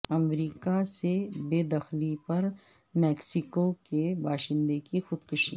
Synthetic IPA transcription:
ɐmɾiːkasebeːd̪ɐxlipɐɾ | mɛːksɪkokebaːʃɪ̃nd̪ekixʊd̪kʊʃḭ

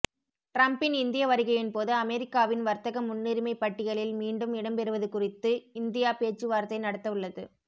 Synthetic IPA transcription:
ʈɾɐmpɪnɪnd̪ɪjɐʋɐɾɪɣɐjɪnpoːðɐɐmɛɾɪkːaːʋɪnʋɐɾt̪ɐɣɐmːʊnːɪɾmɐɪpːɐʈːɪɣɐɭɪlmiːɳɖɯmɪɽɐmpɛɾɯʋɐðɯkʊrɪt̪ːɯɪnd̪ɪjaːpeːt͡ʃːɯʋaːɾt̪ːɐɪnɐɽɐt̪ːɐʋɯɭːɐðɯ

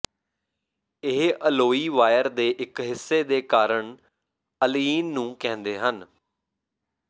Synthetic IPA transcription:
ɪɦʔəloːiːʋaːjəɾd̪eːʔɪkɦɪsːeːd̪eːkaːɾəɳ | əliːnːũːkɛ̃ːnd̪eːɦən

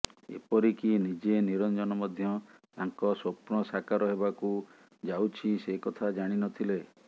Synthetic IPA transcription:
ḛpɔɾikinid͡ʒeniɾɔnd͡ʒɔnɔmɔd̪ʱjɔt̪aŋkɔsopɳ̃ɔsakaɾɔɦebaku | d͡ʒawt͡ʃʰisekɔt̪ʰad͡ʒaɽ̃inɔt̪ʰile

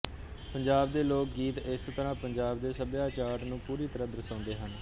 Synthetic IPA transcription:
pəɲd͡ʒaːbd̪eːloːk̚ɡiːt̪ɪst̪əɾãːpəɲd͡ʒaːb̚d̪eːsəbjaːt͡ʃaːʈnũːpuːɾiːt̪əɾãːd̪əɾsãːnd̪eːɦən

